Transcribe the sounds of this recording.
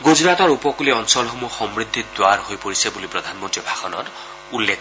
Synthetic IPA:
ɡod͡ʒɾat̪ɔɾupɔkuliɔnsɔlɦomuxɔmbɾid̪ʱːid̪waɾɦojpɔɾisebulipɾɔd̪ʱanmɔnt̪ɾibʱaxɔnɔ̰ɾ | ulːekʰ

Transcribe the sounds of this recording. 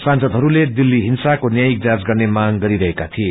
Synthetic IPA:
sãnsʌd̪ʱɦʌɾuled̪ilːiɦinsakonjajik̚d͡zad͡zɡʌrnemaɡɡʌɾiɾʌɦekat̪ʰie

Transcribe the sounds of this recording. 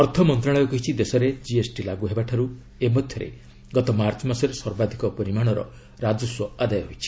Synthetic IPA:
ɔɾt̪ʰɔmɔnt̪ɾaɭ̃ɔjɔkɔɦit͡ʃʰid̪esɔɾed͡ʒiesʈilaɡuɦebaʈʰaɾu | emɔd̪ʱjɔɾḛ | ɡɔt̪ɔmaɾt͡ʃɔmasɔɾesɔɾbad̪ʱikɔpɔɾimaɽ̃ɔɾɔ̰ | ɾad͡ʒɔswɔad̪ajɔɦojt͡ʃʰi̥

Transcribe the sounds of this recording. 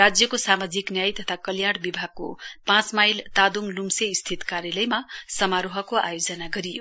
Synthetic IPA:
rad͡zjʌkosamad͡ziknjajt̪ʌt̪ʰakʌljaɽbibʱaɡ̚ko̰pãt͡smajlt̪ad̪uŋlumseist̪ʰit̪kaɾjʌlʌjmasʌmaɾoɦʌkoa̰jod͡zʌnaɡʌɾijo

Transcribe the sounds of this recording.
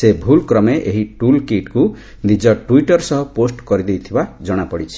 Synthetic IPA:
sebʱulkɾɔmeʔeɦiʈulkiʈku | nid͡ʒɔʈuiʈɔɾsɔɦɔposʈkɔɾid̪ejt̪ʰibad͡ʒɔɽ̃apɔɽit͡ʃʰi̥

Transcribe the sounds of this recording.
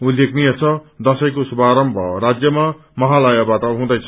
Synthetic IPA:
ulekniʌt͡sʰʌd̪ʌsʌjkosubʱaɾʌmbʱʌɾad͡zjʌma | mʌɦalajabat̪aɦũd̪ʌjt͡sʰʌ

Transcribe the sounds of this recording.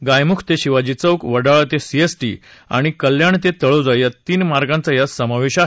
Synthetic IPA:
ɡajmukʰt̪eɕiʋad͡ʑit͡səwkʋəɽaɭt̪esiesʈḭːa̰ɽ̃ikəljaɳt̪et̪əɭod͡zajjat̪iːnmaɾɡãnt͡sajasəmaʋeɕa

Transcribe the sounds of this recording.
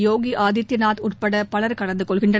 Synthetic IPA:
joːɣiʔaːðɪt̪ːɐnaːt̪ʊrpɐɽɐpɐɭɐɾkɐɽɐnd̪ɯkɔɭɣɪɳdrɐ

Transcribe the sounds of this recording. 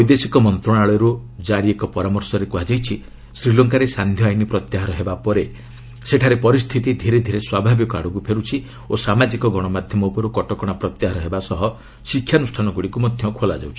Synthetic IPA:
ɔjd̪esikɔmɔnt̪ɾɔɽ̃aɭɔɾu | d͡ʒaɾiekɔpɔɾamɔɾsɔɾekuɦad͡ʒajt͡ʃʰi | sɾilɔŋkaɾesand̪ʱjɔajnipɾɔt̪jaɦaɾɔɦebapɔɾe | seʈʰaɾepɔɾist̪ʰit̪id̪ʱiɾed̪ʱiɾeswabʱabjikɔa̰ɽuɡupʰeɾut͡ʃʰi | osamad͡ʒikɔɡɔɽ̃ɔmad̪ʱjɔmɔpɔɾukɔʈɔkɔɽ̃apɾɔt̪jaɦaɾɔɦebasɔɦɔ | sikʰːjanusʈʰanɔɡuɽikumɔd̪ʱjɔkʰola̰d͡ʒa̰wt͡ʃʰi̥

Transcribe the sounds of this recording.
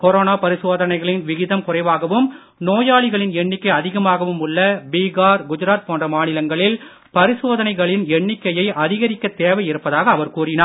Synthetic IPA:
kɔɾoːnaːpɐɾɪsoːðɐnɐɪɣɐɭɪnʋɪɣɪðɐmkʊrɐɪʋaːɣɐʋɯm | noːjaːɭɪɣɐɭɪnɛɳːɪkːɐɪɐðɪɣɐmaːɣɐʋɯmʊɭːɐbiːɣaːɾɡʊd͡ʒɐɾaːt̪̚poːndrɐmaːnɪlɐŋɡɐɭɪl | pɐɾɪsoːðɐnɐɪɣɐɭɪnɛɳːɪkːɐjɐɪʔɐðɪɣɐɾɪkːɐt̪ːeːʋɐjɪɾɯpːɐðaːɣɐːʋɐɾkuːrɪnaːɾ

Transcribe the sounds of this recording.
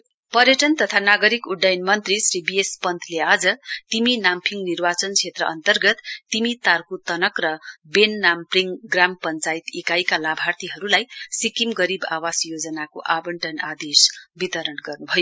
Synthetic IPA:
pʌrjʌʈʌnt̪ʌt̪ʰanaɡʌɾikuɖːajnmʌnt̪risribiespʌnt̪ʰlead͡zʌt̪iminampʰiŋnirbat͡sʌnt͡sʰet̪rʌʔʌ̰nt̪ʌrɡʌt̪ːimit̪arkut̪ʌnʌkrʌbenːampriŋɡrampʌnt͡sajt̪ekajkalabʱart̪iɦʌɾulajsikimɡʌɾiba̰wasjod͡zʌnako̰ʔabʌɳʈʌnad̪esbit̪ʌɾʌnɡʌrnubʱʌjo

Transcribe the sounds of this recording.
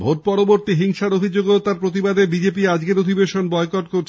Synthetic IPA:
bʱoʈ̚pɔɾoboɾt̪iɦiŋʃaɾobʱid͡ʑoɡot̪aɾpɾot̪̬ibad̪ebid͡ʑepiad͡ʑɡeɾod̪ʱibeʃonbɔekɔʈ̚koɾt͡ɕʰ

